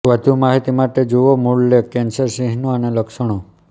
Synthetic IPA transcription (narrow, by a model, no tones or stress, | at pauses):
ʋəd̪ʱumaɦit̪imaʈed͡ʒuʋomuɭlekːensəɾsiɦnuəneləkʃəɳ̃u